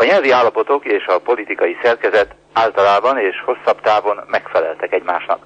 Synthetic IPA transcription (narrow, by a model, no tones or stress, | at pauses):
ɒɲɛlviaːlːɒpo̞t̪o̞keːʃɒpo̞lit̪ikɒjisɛrkɛzɛt̪ | aːlt̪ɒlaːbɒneːʃho̞sːɒbt̪aːvo̞nmɛkfɛlɛ̰lt̪ɛkɛɟma̰ːʃnɒ̰k